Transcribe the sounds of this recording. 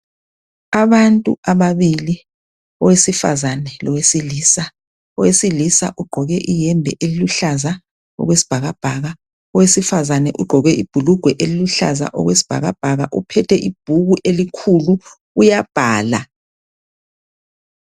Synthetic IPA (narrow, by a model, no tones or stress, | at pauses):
aβantʼṵaβaβili | ɔwesifa̰zanɛlɔwesiliːsa | ɔwesilisa̰ʔuɡ͡ǃʱɔɣɛʔijɛmbʱɛʔeliluɬaza | ɔ̰ɣwesi̥b̥ʱaɣab̥ʱaɣa | ɔwesifazanɛ̰ʔuɡ͡ǃʱɔɣɛʔib̥ʱuluɡ̥ʱwɛʔeliluɬa̰za̰ʔɔ̰ɣwesi̥b̥ʱa̰ɣab̥ʱaɣa̰ʔṵpʰɛtʰɛʔib̥ʱuɣuʔelikʰulu | ujab̥ʱaːla̰